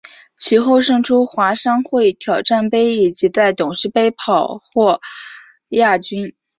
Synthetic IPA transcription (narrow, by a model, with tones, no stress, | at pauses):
t͡ɕʰi˧˥xo˥˧ʊʂɤ˥˩ŋʈ͡ʂʰu˥xwa˧˥ʂɑ˥ŋxwe˥˩ɪ˥˩t̪ʰjɑ˨˩ʊʈ͡ʂa˥˩npe˥ɪi˨˩t͡ɕi˧˥t͡sa˥˩ɪt̪ʊ˨˩ŋʂɻ̩˥˧pe˥ɪpʰɑ˨˩ʊxwɔ˥˩ | ja˥˩t͡ɕy˥n